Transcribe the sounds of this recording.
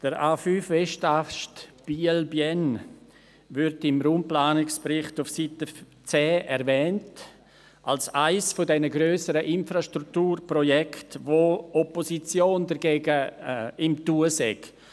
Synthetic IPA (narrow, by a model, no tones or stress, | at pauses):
d̥əɾaːfyːfveʃtaʃtb̥iːɛlbjɛn | vʏɾtɪmɾuːmplaːnɪkspɾɪχtʊfsitə | t͡sɛːɛɾvɛːnt | ʔalsaɪsfodɛnəɡɾøːsəɾəʔɪnfɾaʃtɾuktuːɾprojɛktvoːʔɔposit͡sjoːndəɾɡeːɡəɪmtuəsɛ̰k